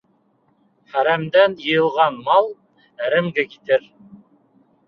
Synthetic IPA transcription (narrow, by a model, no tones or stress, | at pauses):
χæɾæmd̪ænjɤ̆jɤ̆lˠʁɑnmɑlˠ | æɾɘ̆mɡɘkit̪ɘɾ